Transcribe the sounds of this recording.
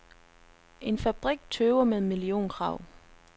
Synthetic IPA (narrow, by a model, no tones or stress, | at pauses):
ʔe̝nfæb̥ʁiɡ̥̚t͡sʰøːʊɐmeðˠmilio̝̰ːnkʰʁɑ̈ʊ̰